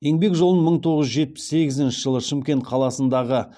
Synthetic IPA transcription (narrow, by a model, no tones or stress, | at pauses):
je̞ŋbe̞kʒolˠəəməɴt̪ʰo̞ʁəzʒe̞t̪̚pɪ̥sːe̞ɡʲɪzɪnʃɪʒəlˠəʃɪmkʲe̞nt̪qʰɑlˠɑsənd̪ɑʁə